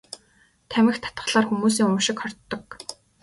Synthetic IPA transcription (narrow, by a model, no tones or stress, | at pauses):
t̪ʰæmʲɪ̆xt̪ʰḁt̪ə̥̆χɮaːrxumuːs̬iːŋʊʃɪ̆kχɔr̥t̪ːɞ̆k